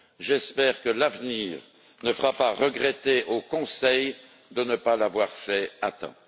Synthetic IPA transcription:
ʒɛspɛːʁkəlavniːʁ | nəfəʁapaʁəɡʁɛt̪eʔokɔ̃sɛj | d̪ənəpalavwaʁfɛat̪ɛ̰̃

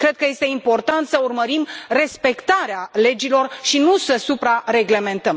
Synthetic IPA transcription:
kɾe̞d̪̚kəje̞st̪e̞impo̞rt̪ant̪səurməɾimre̞spe̞kt̪aɾeale̞d͡ʒilo̞rʃinusəsupɾare̞ɡle̞mẽ̞nt̪əm

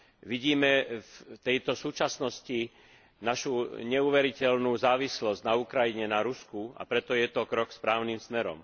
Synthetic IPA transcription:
ʋiɟiːmɛft̪ɛjt̪ɔsuːt͡ʃasnɔsci | naʃuɲɛuʋɛɾicɛlnuːzaːʋislɔzɟnaukɾajiɲɛnaɾuskua̰pɾɛt̪ɔjɛt̪ɔkɾɔkspɾaːʊnimsmɛɾɔ̰m

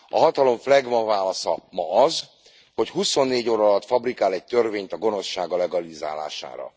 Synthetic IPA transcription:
ɒɦɒt̪ɒlo̞ɱflɛɡmɒvaːlɒsɒ̰mɒɒz | ho̞chuso̞nːeːɟoːɾɒːlɒt̪fɒbrikaːlɛc̚t̪ø̞rveːɲt̪ɒɡo̞no̞sʃaːɡɒlɛɡɒliza̰ːla̰ːʃa̰ːɾɒ̰

